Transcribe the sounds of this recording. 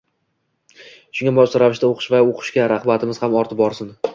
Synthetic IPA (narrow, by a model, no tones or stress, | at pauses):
ʃʊŋʲabɒʃt̪aɾavɪʃt̪aoqʰɨ̥ʃvaoqʰɨ̥ʃkʲaɾaχbat̪ʰɪmɪz̥hamɒɾt̪ʰɪp̚bɒɾsɪn